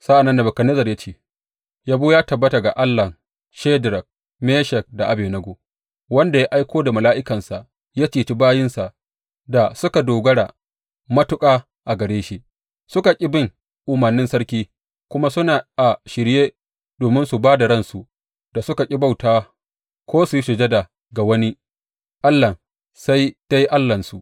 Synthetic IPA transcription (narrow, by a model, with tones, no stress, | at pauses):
sa˦ʔa˨nːɐ˦ndɐ˨bɐ˨kɐ˨nɪ˦zɐ˨rja˦t͡ʃeː˦ | ja˦buː˦jaː˦tɐ˨bːɐ˦ta˨ɡa˨ʔa˦lːɐ˨ | ʃeː˦dɾɐ˨k̚ | meː˦ʃɛ˨k̚da˨ʔa˨beː˨nɐ˦ɡo˨ | wɐ˦nda˨ja˦ʔa˦jkʷoː˦da˨mɐ˨laː˦ʔɪ˦kɐ˨nsa˨ʔ | jaː˦t͡ʃiː˨t͡ʃi˦baː˦jɪ˦nsa˨ʔ | da˨sʊ˦ka˨doː˨ɡɐ˦ɽa˨ | mɐ˦tʊ˦kʼaː˦ | ʔa˨ɡɐ˨ɽeː˦ʃi˦ | sʊ˦ka˨kʲʼɪ˦bɪ˦˨ŋ | ʔʊ˨mɐ˨rnːɪ˦nsɐ˦ɽkʲiː˦ | kʷʊ˦ma˦sʊ˦naː˨ʔa˨ʃɪ˨ɽjeː˦ | doː˨mɪ˦nsu˨baː˦da˨ɽɐ˦˨nsu˨ | d̥a˨sʊ˦ka˨kʲʼɪ˦ba˦wtaː˦ | kʷoː˦su˨ji˦ʃʊ˨d͡ʒe˦da˨ | ɡa˨wɐ˦ni˦ | ʔa˦lːɐ˨ | sa˦jta˦ji˦ʔa˦lːɐ˨nsu˨ʔ